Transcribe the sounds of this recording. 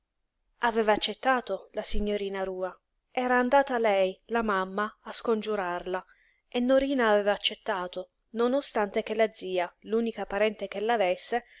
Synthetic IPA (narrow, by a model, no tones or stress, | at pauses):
avɛːvaːt͡ʃːet̪ːaːt̪olasiɲːoɾiːnaɾuːa | ɛːɾaːnd̪aːt̪alɛjlamamːaːskond͡ʒuɾarla | enːoɾiːnaːvɛːvaːt͡ʃːet̪ːaːt̪o | nonost̪ant̪ek̟elːad̪ziːaluːnikapaɾɛnt̪ekelːavesːe